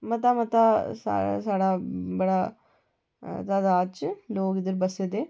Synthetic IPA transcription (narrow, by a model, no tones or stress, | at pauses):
mɐt̪amɐt̪asa̰a̰saɽabɐɽa | t̪ad̪aːt͡ʃloːɡid̪əɾbɐsed̪e